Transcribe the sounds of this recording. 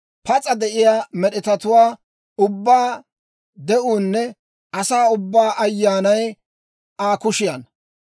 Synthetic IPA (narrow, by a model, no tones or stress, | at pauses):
pɐt͡sʼɐd̪ɛʔɪjaːmɛɗɪt̪ɐt̪ʊwaː | ʊbːaː | d̪ɛʔuːnːɛ | ɐsaːʊbːaːʔɐjːaːnɐj | aːkʊʃɪjan